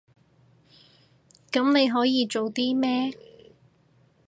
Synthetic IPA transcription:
kɐ˨˥mne˨˧jɦɔː˨˥jiː˨˧t͡ʃo˨wt̪iː˥mɛː˥

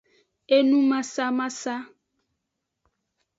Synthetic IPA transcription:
e˦nũ˦ma˦sa˦ma˦sa˦

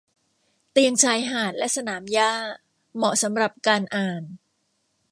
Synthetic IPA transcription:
t̪i˧əŋt͡ɕʰaː˧jɦaː˨˩t̪̚lɛ˦˥ʔsa˧naː˩˦mjaː˥˩ | mɔ˨˩sa˩˦mɾa˨˩p̚kaː˧nʔaː˨˩n

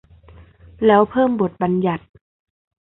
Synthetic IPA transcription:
lɛː˦˥wpʰɤː˥˩mbo˨˩t̪̚ba˧nja˨˩t̪̚

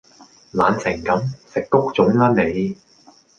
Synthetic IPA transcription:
laː˨˧nsɪ˨˩ŋkɐ˨˥msɪ˨kːʊ˥k̚t͡sʊ˨˥ŋlaː˥ne˨˧j

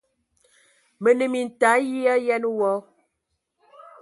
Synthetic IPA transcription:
mə˨nə˨mi˨n̩˨ta˨˦ji˦a˦jɛ˦n˦wɔ˦

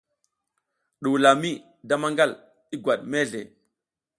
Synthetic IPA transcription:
ɗu˨wla˨mi˦ | da˦ma˦ŋɡa˦l | i˦ɡʷwa˨ɗme˦ɮḛ˨

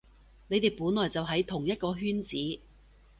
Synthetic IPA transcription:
ne˨˧jt̪e˨˩jpuː˨˥nlɔː˨˩jt͡sɐ˨wɦɐ˨˥jt̪ʰʊ˨˩ŋjɐ˥t̚kɔː˧ɦyː˥nt͡siː˨˥

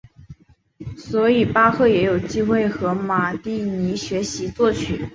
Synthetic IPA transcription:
swɔ˧˥i˨˩pa˥xʰɤ˥˩jɛ˧˥jo˨˩ʊt͡ɕi˥xwe˥˩ɪxɤ˧˥ma˨˩t̪i˥˩ni˧˥ɕɥɛ˧˥ɕi˧˥t͡swɔ˥˩t͡ɕʰy˨˩˦

